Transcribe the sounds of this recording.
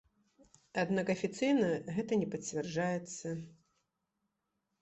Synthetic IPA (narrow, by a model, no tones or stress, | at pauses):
ad̪nakɐfʲit̪sɨjnɐɣɛt̪ɐnʲɛpɐt͡sʲvʲɛrd͡ʐajɛt̪sːɐ